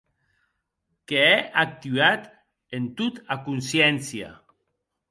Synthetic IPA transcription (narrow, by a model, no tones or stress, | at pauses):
keɛʔak̚t̪yat̪ | ent̪ut̪akunsjɛnsja̰